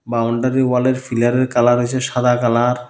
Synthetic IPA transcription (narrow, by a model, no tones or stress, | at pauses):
bawɳɖaɾiwaleɾfʰilaɾeɾkalaɾoet͡ɕʰeʃad̪ʱakalaɾ